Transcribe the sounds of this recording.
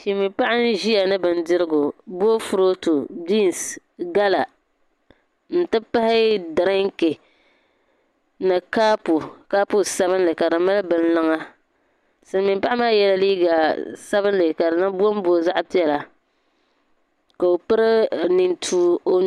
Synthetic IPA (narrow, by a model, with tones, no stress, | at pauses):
ʃi˨mi˨mpa˦ʔa˦n̩˦ʒi˦a˨nɨ˦bɨ˨ndɪ˦ɾɨ˦ɡʊ˨bu˦o˦fʊ˨ɾo˦tu˨di˦n˨s | ɡa˦la˨ | n̩˨tɨ˦pa˦hɪ˦da˨ɾa˦ŋ˦ke˨ | nɨ˨kaː˦pu˨ka˦pu˦sa˦βɨ˦nlɨ˨ka˨dɨ˨ma˦lɨ˦bɨ˦n̩˦lɔ˦ŋa˦ | sɨ˨n˦˨mɪ˨mpa˦ʔa˦maː˦jɛ˦la˦liː˦ɡa˨sa˦bɨ˦nlɨ˨ka˨dɨ˨na˦bu˦o˦m˦bo˦˨za˦ʔpi˦ɛ˨la˨ | ka˨o˨pɨ˦ɾɨ˦ni˨ntʰuː˨o˦